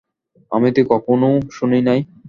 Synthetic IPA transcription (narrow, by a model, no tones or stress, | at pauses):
a̰mit̪ikɔkʰonoʃuninaj